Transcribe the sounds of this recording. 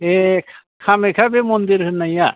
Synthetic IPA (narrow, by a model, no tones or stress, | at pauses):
ekʰ | kʰamekʰabemɔnd̪iɾɦɯnaja